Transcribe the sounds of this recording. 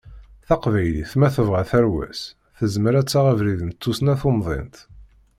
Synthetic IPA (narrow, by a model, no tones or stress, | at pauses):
θɑqvæjlḭθmæθəvʁæθæɾwæ̰s | θəzməɾæt͡sːaʁævɾiðənət͡s̪ːusnæθomðˤḛnt̪